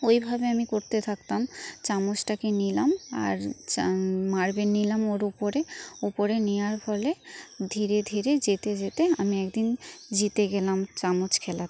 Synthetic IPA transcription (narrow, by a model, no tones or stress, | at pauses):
ojbʱabeamikoɾt̪et̪ʰakt̪amt͡ɕamot͡ɕʈakenilama̰ɾ | maɾbenilamoɾupoɾeupoɾenijaɾfʰɔled̪ʱiɾed̪ʱiɾed͡ʑet̪ed͡ʑet̪eamiɛkd̪ind͡ʑit̪eɡɛlamt͡ɕamot͡ɕkʰɛlat̪